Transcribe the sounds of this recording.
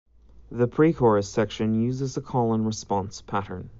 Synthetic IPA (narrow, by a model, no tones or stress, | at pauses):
ðəpʰɹ̥ikʰɔɹɨsɛkʃɨ̃njʉzɪzəkʰɔlˠə̃nɹəspɑ̃nspʰæɾə̃˞n